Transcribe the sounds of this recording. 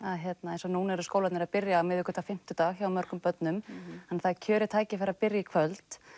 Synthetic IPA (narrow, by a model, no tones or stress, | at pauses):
aɦjɛt̪naejnsɔnuːnɛɾʏskoːwlatnɪɾaðpɪɾjaːmɪðʏkʰːʏt̪ʰafɪm̥t̪ʏt̪aːɣçawwmœɾ̥kʏmpœt̪nʏmɛnθaðcʰœːɾɪt̪ʰaːjcɪfɛɾapɪɾjakʰvœlt̪